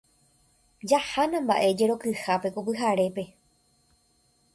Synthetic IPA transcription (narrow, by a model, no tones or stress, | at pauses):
d͡ʒahanãmba̰ʔe̞d͡ʒe̞ɾo̞kɨhape̞kopɨɦaɾe̞pe̞